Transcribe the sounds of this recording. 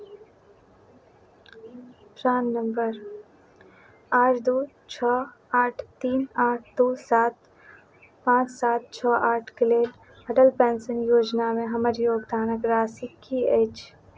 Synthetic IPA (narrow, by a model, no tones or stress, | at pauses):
pɾaːnːəmbəɾ | aːʈʰd̪uː | t͡ʃʰɔː | aːʈʰt̪iːnaːʈʰd̪uːsaːt̪ | pãːt͡ʃsaːt̪̚t͡ʃʰɔːʔaːʈʰkɪleːl | ɐʈəlpɛ̃ːnsənjoːd͡ʒnamẽɦɐməɾjoːɡd̪aːnəkɾaːsikieːt͡ʃ